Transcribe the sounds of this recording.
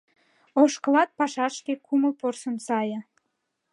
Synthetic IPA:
oʃkəlɑt̪̚pɑʃɑʃkekʰuməlporsənsɑjə̆

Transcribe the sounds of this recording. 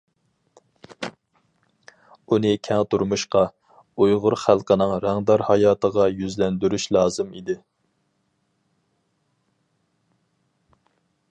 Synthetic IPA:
unɨkʲʰɛŋt̪ʰuɾmuʃqɑ | ujʁʊɾχælˠqənɨŋɾæŋd̪ɑɾhɑjɑːt̪ʰəʁɑjyzlɛnd̪yɾyʃlˠɑːzɨmḭd̪ɪ

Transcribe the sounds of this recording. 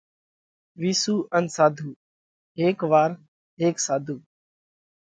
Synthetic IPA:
ʋiːsuːʔənsaːd̪ʱuː | ɦeːkʋaːɾ | ɦeːksaːd̪ʱuː

